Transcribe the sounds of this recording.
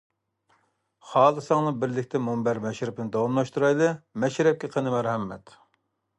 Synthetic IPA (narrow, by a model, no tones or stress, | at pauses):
χɑːlˠɨsɑŋnɨbɪɾlɪkʲt̪ʰɛmombæɾmɛʃɾɪpɪnɨd̪ɑwɑmlˠɑʃt̪uɾɑjlˠɨmɛʃɾɛp̚kʲɛqʰənɨmæɾhɛmːɛ̰t̪